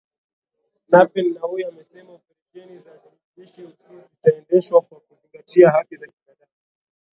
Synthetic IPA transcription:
napɛnːaujamɛsɛmaufiɾiʃɛnizaziɾiɓiʃiusizitaɛndɛʃwakwakuziŋɡatiaɦakizakinaɗama

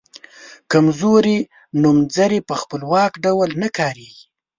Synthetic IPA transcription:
kamzoɾi | numzaɾepəxpəlwɑkɖawalnakɑɾeɡi

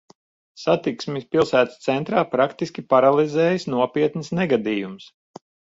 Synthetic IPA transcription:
sat̪iksmispilˠsæːt̪st̪sɛnt̪ɾaːpɾakt̪iskʲipaɾalˠizɛːjisnuɔpʲiɛt̪nsnɛɡad̪iːjums

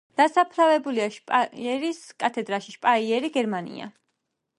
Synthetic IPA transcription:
d̪̥asapʰlavɛbuliaʃpʼaɛɾiskʼat̪ʰɛd̪ɾaʃiʃpʼaiɛɾiɡɛɾmanḭa̰

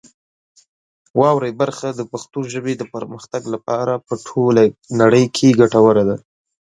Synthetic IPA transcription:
wɑwɾəjbaɾxad̪əpaxt̪oʒəbed̪əpəɾməxt̪aɡlapɑɾapəʈʰolanaɽəjkʰeɡaʈawəɾad̪a

